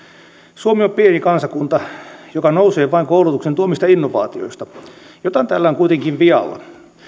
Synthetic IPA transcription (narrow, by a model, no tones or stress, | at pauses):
suomiompienikɑnsɑkunt̪ɑjokɑnouseːʋɑiŋkoulut̪uksent̪uomist̪ɑinːoʋɑ̰ːt̪io̰ist̪ɑ | jot̪ɑnt̪ælːæoŋkuit̪eŋkiʋʋiɑ̰lːɑ̰